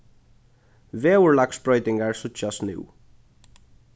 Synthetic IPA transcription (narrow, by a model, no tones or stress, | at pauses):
veːʊɹlaksbɹɔʏt̪ɪŋɡaɹsʊt͡ʃasnʉ̰w